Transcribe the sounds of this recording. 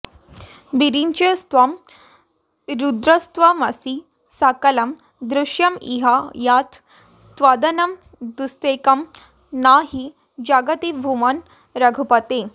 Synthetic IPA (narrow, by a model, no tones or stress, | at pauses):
biɾiɲt͡ɕest̪ʋɐm | ɾud̪ɾɐst̪ʋɐmɐsi | sakɐlɐm | d̪ɾuʃjɐmiɦajat̪ʰ | t̪ʋad̪ɐnɐm | d̪ust̪ekɐm | naɦi | d͡ʑaɡɐt̪ibʱuman | ɾɐɡʱupɐt̪e